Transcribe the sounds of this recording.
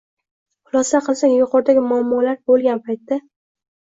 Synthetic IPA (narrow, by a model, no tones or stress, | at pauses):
qʊlˠɒsaqʰɨlˠsaŋjʊqʰɒɾd̪aɡʲɪmʊamːɒlaɾbolˠɡʲanpʰajt̪ːa